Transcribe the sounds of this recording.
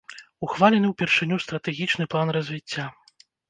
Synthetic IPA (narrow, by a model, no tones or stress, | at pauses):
uxvalʲɛnɨwpʲɛrʂɨnʲust̪ɾɐt̪ɛɣʲit͡ʂnɨplˠanrɐzʲvʲit͡sʲːa